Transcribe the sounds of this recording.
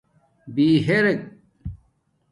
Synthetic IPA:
biːɦeɾek̚

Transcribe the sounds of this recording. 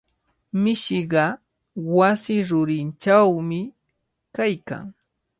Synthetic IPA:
mɪʃɪɢɑ | wasɪɾʊɾɪnt͡ʃawmɪ | kajka̰ŋ

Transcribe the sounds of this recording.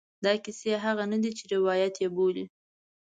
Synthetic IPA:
d̪ɑkiseɦaɣanad̪it͡ʃɪɾɪwɑjat̪jeboli

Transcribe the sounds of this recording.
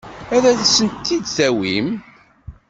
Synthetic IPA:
æðæθæsːənt̪ːid̪θæwim

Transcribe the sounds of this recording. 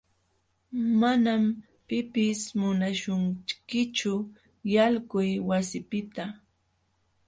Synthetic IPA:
manam | pɪpɪsmʊnaʃʊŋkɪt͡ʃʊ | jalkʊjwasɪpɪt̪a

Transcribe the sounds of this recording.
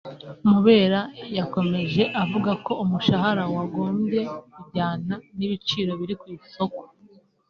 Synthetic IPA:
muβe̞ːɾajako̞me̞ʒe̞ʔavuɡako̞umuʃahaɾawaɡo̞ːmbje̞kubɟaːnaniβit͡ʃiːɾo̞βiɾikwiːso̞ko̥

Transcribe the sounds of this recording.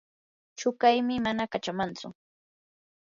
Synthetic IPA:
t͡ʃʊkajmɪmanakat͡ʃamant͡sʊ

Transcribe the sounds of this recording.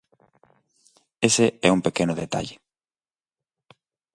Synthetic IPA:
eseɛuŋpekenʊðet̪a̰ʎe

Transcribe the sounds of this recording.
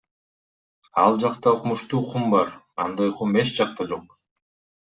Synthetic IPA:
ɑlˠd͡ʒɑqt̪ɑuqmuʃt̪uːqʰumbɑɾ | ɑnd̪ɑjqʰumet͡ʃd͡ʒɑqt̪ɑd͡ʒo̞q

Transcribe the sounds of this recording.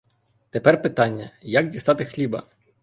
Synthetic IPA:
t̪epɛrpɪt̪ɑnʲːɐjak̚dʲisɑt̪ɪxlʲibɐ̰

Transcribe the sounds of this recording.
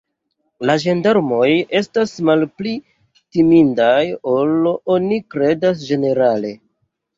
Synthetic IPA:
laʒe̞ndaɾmo̞je̞stasmalpli | timindajo̞lo̞nikɾe̞das̬d͡ʒe̞ne̞ɾale̞

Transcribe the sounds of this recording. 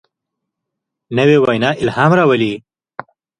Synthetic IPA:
nəwewajnɑɪlhɑmɾɑwəli

